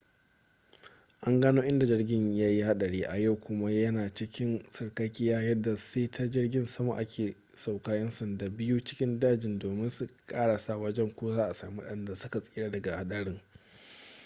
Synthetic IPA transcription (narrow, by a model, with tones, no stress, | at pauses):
ʔa˦ŋɡaː˦noː˦ʔɪ˦nda˨d͡ʒɪ˦rɡʲɪ˦ɲjaː˦ji˦ha˦ɗɐ˨ɽeː˦ʔa˨ja˦˨wkʷʊ˦ma˦jɐ˦naː˨t͡ʃɪ˦kʲɪ˦nsɐ˨ɽkɐ˦kʲɪ˦jaː˦jɐ˦dːa˨seː˦tʰa˦d͡ʒɪ˦rɡʲɪ˦nsɐ˦ma̰˨ʔa˦kʲeː˨ | sa˨wkaː˦jɐ˦nsɐ˨nda˨bɪ˦ju˦t͡ʃɪ̥˦kʲɪ˦ndaː˦d͡ʒɪ˨ndoː˨mɪ˦nsu˨kʼaː˦ɽa˨sa˦˨wɐ˦d͡ʒɛ˦ŋkʷoː˦zaː˦ʔa˨saː˨mi˦wɗɐ˦˨nda˨sʊ˦ka˨sʼiː˦ɽaː˦dɐ˨ɡa˨ha˦ɗɐ˦ɽɪ˦ŋ